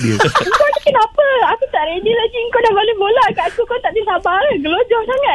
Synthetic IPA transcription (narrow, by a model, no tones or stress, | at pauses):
diəŋkonikənãpəakut̪aʔɾedilaɡiŋkowdabolɛbolakaakukot̪aʔdisabaɾɡəlod͡ʒɔhsaŋat